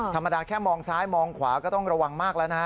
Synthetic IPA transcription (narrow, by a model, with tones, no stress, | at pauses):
t̪ʰa˧mːa˧daː˧kʰɛː˥˩mɔː˧ŋsaː˦˥jmɔː˧ŋkʰwaː˩˦kɔː˥˩t̪ɔ˥˩ŋɾa˧wa˧ŋmaː˥˩k̚lɛː˦˥na˦˥